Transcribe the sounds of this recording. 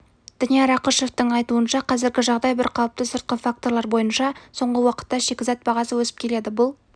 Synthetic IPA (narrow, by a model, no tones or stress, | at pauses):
d̪̥ɪnijeɾɑqəʃe̞ft̪əɴɑjt̪uənʃɑqʰɑzɪɾɡʲɪʒɑʁd̪ɑjbɪɾqʰɑwəp̚t̪əsʊɾt̪̚qəfak̚t̪o̞ɾlˠɑɾbo̞jənʃɑso̞ɴʁəwɑqə̥t̪ːɑʃe̞kʲɪzɑt̪̚bɑʁɑsəwɵsɪ̥p̚kʲʰe̞le̞d̪ɪbʊlˠ